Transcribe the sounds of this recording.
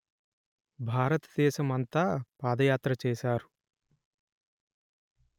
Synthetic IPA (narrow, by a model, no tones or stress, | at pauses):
bʱaːɾɐt̪ɐ̥d̪ɛːʃɐmɐnt̪aːpaːd̪ɐjaːt̪ɾɐt͡ʃɛːʃaːɾu